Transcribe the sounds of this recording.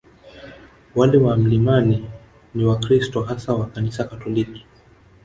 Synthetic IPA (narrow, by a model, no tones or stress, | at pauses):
walɛwam̩limani | niwakɾistɔɦasawakanisakatɔliki̥